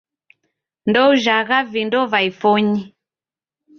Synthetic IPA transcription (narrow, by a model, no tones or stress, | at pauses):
ndɔuʒaɣavindɔvaifɔɲi